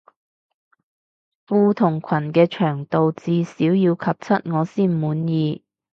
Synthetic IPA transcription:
fuː˧t̪ʰʊ˨˩ŋkʷʰɐ˨˩nkɛː˧t͡ʃʰœː˨˩ŋt̪o˨wt͡siː˨˧siː˨˥wjiː˧wkʰɐ˨p̚t͡sʰɐ˥t̚ŋɔː˨˧siː˥˩nmuː˨˥njiː˧

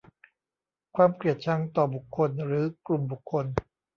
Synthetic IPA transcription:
kʰwaː˧mkli˨˩ət̪̚t͡ɕʰa˧˥ŋt̪ɔː˨˩bu˨˩kʰːo˧nɾɯː˩˦klu˨˩mbu˨˩kʰːo˧n

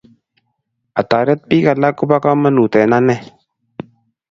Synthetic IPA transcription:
a˨t̪aː˨ɾɛ˦t̪̚pi˦ka˨la˦kʊ˦ba˦ka˦mə˦nu˨t̪ɛ˨na˦nɛ˦˨

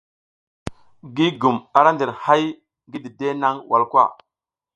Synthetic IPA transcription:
ɡi˦ɡu˨ma˨ɾa˦ndi˨ɾha˦j | ɡi˦di˨de˦na˦ŋwʔa˨lkwʷa̰˦˨

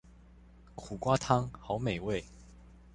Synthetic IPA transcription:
kʰu˨˩kwa˦t̪ʰɑ˥ŋxɑ˨˧˦ʊme˨˩ɪwe˥˨ɪ

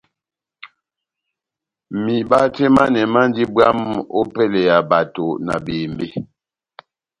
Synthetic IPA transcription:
mi˨ba˦tɛ˦ma˦nɛ˨ma˦n˦di˦bwa˦mo˦pɛ˦˨lɛ˨ja˨ba˨to˨na̰˨beː˨mbe˦

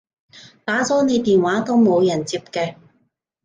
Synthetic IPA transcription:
t̪aː˨˥t͡sɔː˨˥ne˨˧jt̪iː˨nwaː˨˥t̪o˥wmo˨˧wjɐ˨˩nt͡siː˧p̚kɛː˧

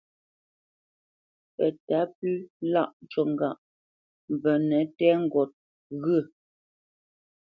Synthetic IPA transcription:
pɛ˨ta˨˦pʉ˦la̰˦˨ʔt͡ʃɔ˨ŋ˨ɡa˨ʔ | m˨bə˨nɛ˨˦tɛ˦ŋ̩˦˨ɡɔ˨t̚ | ɣə˦˨

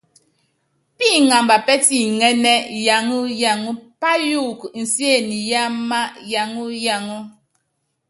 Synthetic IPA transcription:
pi˦˨ŋa˨mba˨pɛ˦ti˦˨ŋɛ˦nɛ˦ja˨ŋu˦ja˨ŋu˦pa˦ju˦˨kn̩˨sje˦˨ni˨ja˦ma˦ja˨ŋu˦ja˨ŋu˦

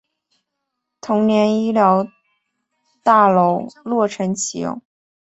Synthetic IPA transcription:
t̪ʰʊ˧˥ŋnjɛ˧˥ni˥ljɑ˧˥ʊ | t̪a˥˩lo˧˥ʊlwɔ˥˩ʈ͡ʂʰə˧˥nt͡ɕʰi˨˥jʊ̰˥˩ŋ

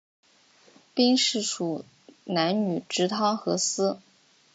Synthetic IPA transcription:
pi˥ŋʂɻ̩˥˩ʂu˨˩ | na˧˥nny˨˩ʈ͡ʂɻ̩˧˥t̪ʰɑ˥ŋxɤ˧˥sɹ̩˥

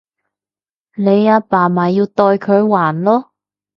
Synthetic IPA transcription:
le˨˧jaː˧paː˨˩maː˨˩jiː˧wt̪ɔː˧jkʰɵ˨˧ɥwaː˨˩nlɔː˥

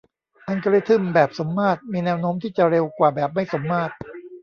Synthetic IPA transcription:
ʔa˧nka˧ɾi˥˩t̪ʰɯ˥˩mbɛː˨˩p̚so˩˦mːaː˥˩t̪̚miː˧nɛː˧˥wnoː˦˥mt̪ʰiː˥˩t͡ɕa˨˩ɾe˧wkwaː˨˩bɛː˨˩p̚ma˥˩jso˩˦mːaː˥˩t̪̚

